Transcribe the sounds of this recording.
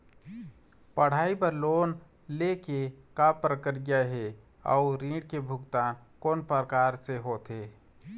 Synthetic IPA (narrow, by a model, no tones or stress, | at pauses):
pəɽ̤aːibəɾloːn | lekekapɾəkəɾjaɦe | ɔ̰ʊɾĩːɖkebʱʊɡt̪aːnkoːnpəɾkaːɾseɦoːt̪ɦeː